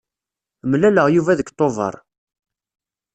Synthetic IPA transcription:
mlæləʁjuvæðəkt̪ˤːovə̰ɾˤ

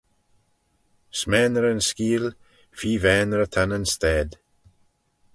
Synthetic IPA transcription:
smɛːnəɾənskiːl | fiːvɛːnəɾət̪ʰanənst̪ɛːd̪

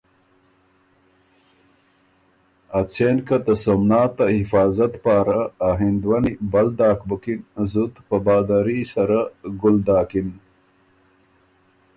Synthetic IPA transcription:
at͡senkat̪ɐsomnaːt̪ahifaːzɐt̪paːɾaːɦind̪wanibɐld̪aːkbukinzut̪pɐbaːd̪aɾisɐɾaɡuld̪aːkin

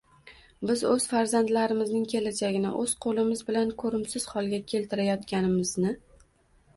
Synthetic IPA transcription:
bɪzɵz̥faɾzand̪laɾɪmɪznɪŋkʲʰe̞lad͡ʒaɡʲɪnɪ̰ʔɵz̥qʰolɪmɪzbɪlankʰɵɾɪmsɪz̥hɒlˠɡʲakʲʰe̞lt̪ʰɪɾajɒt̪kʲanɪmɪznɪ

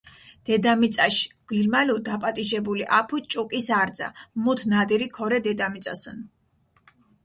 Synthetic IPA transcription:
d̪̥ɛd̪amit̪sʼaʃɡ̥ilmalud̪apʼat̪ʼiʒɛbuliʔapʰut͡ʃʼukʼisaɾd̪za̰mut̪ʰnad̪iɾikʰɔɾɛd̪ɛd̪amit̪sʼa̰sɔn

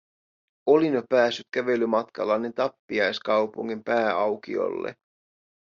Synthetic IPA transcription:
o̞linjopæːsːyt̪kæʋe̞lːymɑt̪kɑ̰lːɑjne̞nt̪ɑpːiɑjskɑwpṵŋːimpæːɑwk̟ḭo̞̰lːḛ

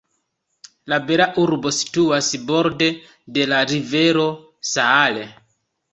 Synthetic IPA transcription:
labe̞ɾaʔuɾbo̞si̥tuasbo̞ɾde̞ | de̞laɾive̞ɾo̞ | saːle

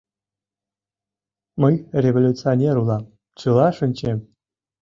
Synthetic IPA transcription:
mɤjrʲevolʲut͡sɨonʲeɾulˠɑm | t͡ɕɯlˠɑʂɘ̆nʲt͡ɕem

